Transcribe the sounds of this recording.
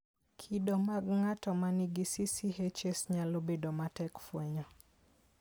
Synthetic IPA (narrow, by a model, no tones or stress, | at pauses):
kʰidɔmaɡŋatɔmaniɡisisiɦet͡ʃesɲalobedomatɛkfwɛɲɔ